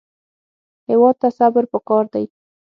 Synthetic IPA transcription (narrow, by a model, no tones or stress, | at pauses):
hɪwɑd̪̚t̪asabəɾpəkɑɾd̪aj